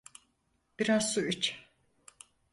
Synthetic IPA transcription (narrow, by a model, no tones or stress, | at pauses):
b̥iɾasuyt͡ʃ